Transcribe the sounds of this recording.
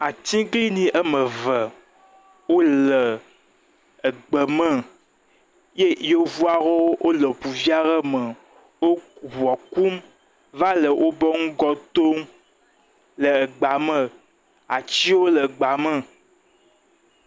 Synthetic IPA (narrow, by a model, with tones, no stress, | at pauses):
a˨t̪ĩ˦ɡli˦nĩ˨˦ʔə˦mə̃˨və˨ | wo˦lə˨ | ə˨ɡ͡bə˨mə̃˦ | je˦jo˦vu˦a˦ɣo˦wo˦wʔo˦lə˨pu˨vi˦a˦ɣə˦mə˨ | wo˦wu˨ɔ˨ku˦m | va˦lə˨wʔo˦bə˦ŋũ˦ɡɔ˦t̪o˦ŋ | lə˨ə˨ɡ͡ba˨mə̃˦ | a˨t͡ɕi˦wo˦lə˨ɡ͡ba˨mə̃˦